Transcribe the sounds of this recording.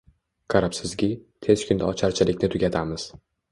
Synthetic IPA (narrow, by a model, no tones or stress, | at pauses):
kʰaɾapsɪzɡʲɪt̪ʰe̞zkʲʰʊnd̪aɒt͡ʃʰaɾt͡ʃʰɪlɪkʲnɪt̪ʰʊɡʲat̪ʰamɪz̥